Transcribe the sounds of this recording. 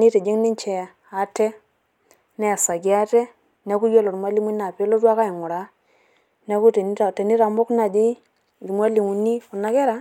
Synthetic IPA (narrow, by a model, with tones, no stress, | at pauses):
ni˦te˨d͡ʒi˦ŋni˦nt͡ʃɛ˨ | a˨te˦ | nɛ˦a˨sa˨ɡi˦a˦te˦ | ne˨˦ku˦jo˦lo˨ɾmwa˦li˦mi˦na˨pe˦lo˦twa˦ka˦i˨ŋʊ˨ɾa˨˦ | ne˦ku˦te˨n˦˨te˨ni˦ɾa˨mbo˦kna˨di˦˨ | ɾmʷ˦a˦li˨ŋu˨ni˦ku˨na˦ke˦ɾa˨˦